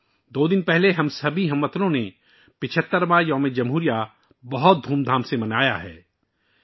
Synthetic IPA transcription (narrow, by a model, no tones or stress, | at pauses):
d̪oːd̪ɪnpɛɦleɦɐmsɐbʱiɦɐmːət̪lõne | pɪt͡ʃʰət̪ːəɾmãjɔːmẽd͡ʒɐmɦuːɾija | bɐɦɔt̪̚d̪ʱuːmd̪ʱaːmsemɐnaːja̰ɦɛ̰ː